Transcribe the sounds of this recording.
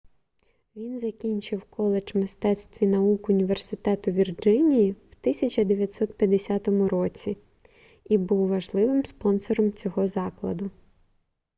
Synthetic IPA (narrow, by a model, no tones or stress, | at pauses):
ʋʲinzɐkʲinʲt͡ʃɪwkʰɔlˠed͡ʒmɪst̪ɛt̪st̪ʋʲinɐukʊnʲiʋersɪt̪ɛt̪ʊʋʲird͡ʒɪnʲijiwt̪ɪsʲɐt͡ʃɐd̪eʋʲjɐt̪sɔt̪̚pʲjɐd̪esʲat̪ɔmʊɾɔt͡sʲi | ibuwʋɐʒlˠɪʋɪmspɔnsɔɾɔmt͡sʲɔɦɔzɑklˠɐd̪ʊ